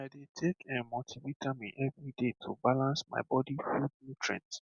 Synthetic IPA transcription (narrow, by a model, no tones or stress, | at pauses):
aɪdetʰekʰɛ̃nmɔtʰivitʰamiʔɛvɹidetʰubalãnsma̰ɪbɔdifud̚nĩtʰɹɛ̰̃nt